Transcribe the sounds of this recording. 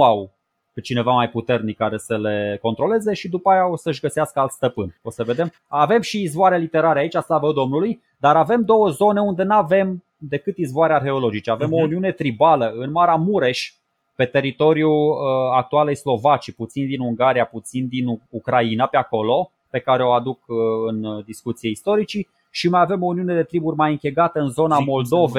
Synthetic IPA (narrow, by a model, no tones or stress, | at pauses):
aw | t͡ʃine̞vamajput̪e̞rnikːaɾe̞səle̞ko̞nt̪ɾo̞le̞ze̞ʃid̪upaajao̞səɨʃɡəseaskəalt̪st̪əpɨnʲo̞səve̞d̪e̞m | ave̞mʃiːzvoaɾelit̪e̞ɾaɾeait͡ʃʲaslavəd̪o̞mnuluj | d̪aɾave̞md̪o̞wəzo̞ne̞und̪e̞nave̞m | d̪e̞kɨt̪izvoaɾearxe̞olo̞d͡ʒit͡ʃeave̞mo̞uniune̞t̪ɾibaləɨnmaɾeamuɾe̞ʃʲ | pe̞t̪e̞ɾit̪o̞ɾjuak̚t̪ualejslo̞vat͡ʃiput̪sind̪inuŋɡaɾijaput̪sind̪inukɾainapeako̞lo̞ | pe̞kaɾe̞o̞ad̪ukɨnd̪iskut̪sieist̪o̞ɾit͡ʃi | ʃimajave̞mo̞uniune̞d̪e̞t̪ɾiburʲmajɨŋkʲe̞ɡat̪əɨnzo̞namo̞ld̪o̞ve